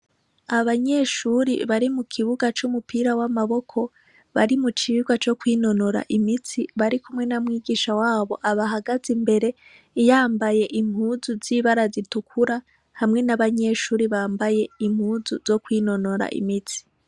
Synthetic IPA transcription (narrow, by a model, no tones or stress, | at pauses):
aβaɲe̞ʃuːɾḭβaɾimukʰiβuɡat͡ʃumupʰiːɾawamaβo̞kʰo̞ | βaɾimut͡ʃiɡwat͡ʃo̞kwiːno̞no̞ɾa̰ʔimit͡siβaɾikumŋe̞namŋiːɡiːʃawaːβo̞̰ʔaβaɦaɡazimbe̞ɾe̞ | jaːmbaje̞ʔim̥huːzuziːβaɾazitukʰuɾa | hamŋe̞naβaɲe̞ʃuːɾiβaːmbaje̞im̥huːzuz̥o̞kwiːno̞no̞ɾa̰ʔḭmit͡si̥